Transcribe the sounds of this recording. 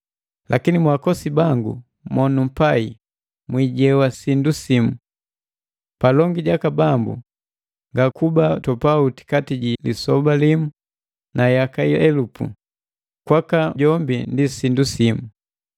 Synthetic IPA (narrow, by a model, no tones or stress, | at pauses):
lʔakinimwakɔsibaŋɡṵ | mɔnum̩pai | mwiɟɛwasindusimu | palɔŋɡiɟakabambṵ | ŋɡakubatɔpauti̥katiɟilisɔbalimu | najakaiɛlupṵ | kwakaɟɔmbindisindusimu